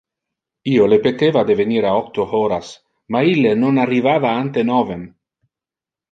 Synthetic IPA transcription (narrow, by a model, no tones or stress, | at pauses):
iolepet̪evad̪eveniɾaɔk̚t̪ohoɾas | mailːenonarivavaant̪enɔven